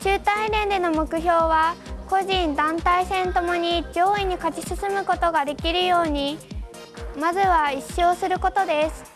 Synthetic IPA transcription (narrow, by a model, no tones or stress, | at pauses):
t͡ɕɨːt̪ainẽ̞nd̪e̞no̞mo̞kɯ̟ço̞ːβako̞ʑĩnd̪ãnt̪aisẽ̞nt̪o̞mo̞ɲ̟iʑo̞ːiɲ̟ikat͡ɕisɨsɨmɯ̟ko̞t̪o̞ɡad̪e̞kʲiɾɯ̟jo̞ːɲ̟i | mazɨβaiɕːo̞ːsɨɾɯ̟ko̞t̪o̞d̪e̞sɨ̥